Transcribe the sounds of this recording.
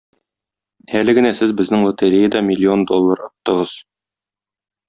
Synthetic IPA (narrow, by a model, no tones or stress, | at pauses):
ælɘ̆ɡɘ̆næsɘzbɘ̆znɘŋlˠŏt̪eɾʲejəd̪ɑmʲɪlʲːio̞nd̪o̞lˠːɑɾŏt̪ːɤ̆ʁɤz̥